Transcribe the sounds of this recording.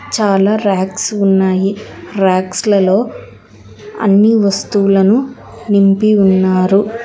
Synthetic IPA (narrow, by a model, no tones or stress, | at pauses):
t͡ʃaːlaːɾaːksunːaːjiɾaːkslɐlo̞ː | ɐ̰nːiʋɐst̪uːulɐnu | nimpiunːaːɾu